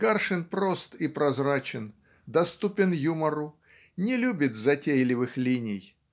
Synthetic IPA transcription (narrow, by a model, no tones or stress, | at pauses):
karʂɨnpɾo̞st̪ɪpɾɐzɾat͡ɕɪn | d̪ɐst̪upʲɪnjuməɾʊ | nʲɪlʲubʲɪt̪zɐtʲejlʲɪvɨxlʲinʲɪj